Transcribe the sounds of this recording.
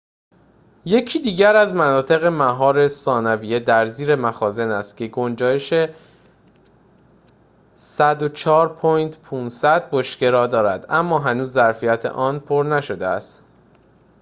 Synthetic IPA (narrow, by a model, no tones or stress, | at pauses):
je̞cʰiːd̪iːɟæɾæzmænɒːt̪ʰe̞ɣe̞mæɦɒːɾe̞sɒːnæviːje̞d̪æɾziːɾe̞mæxɒːze̞næst̪̚cʰe̞ɡond͡ʒɒːjeʃe | sæd̪ot͡ʃʰɒːɾpʰɒːjnt̪pʰuːnsæd̪̚boʃce̞ɾɒːd̪ɒːɾæd̪æmːɒːɦænuːzːæɾfijæt̪ʰḛʔɒːnpʰoɾnæʃo̞d̪eæ̰st̪